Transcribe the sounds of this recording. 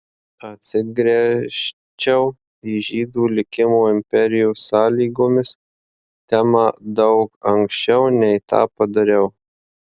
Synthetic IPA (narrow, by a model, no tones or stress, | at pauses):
ɐt̪ʲsʲɪɡɾʲɛʃ | t͡ʃʲɛʊ | iʒʲiːd̪uːlʲɪkʲɪmoːɪmʲpʲɛɾʲɪjuːsɑːlʲiːɡoːmʲɪs | t̪ʲæːmɐd̪ɐʊkɐŋksʲt͡ʃʲɛʊnʲɛɪt̪ɑ̰ːpɐd̪ɐɾʲɛʊ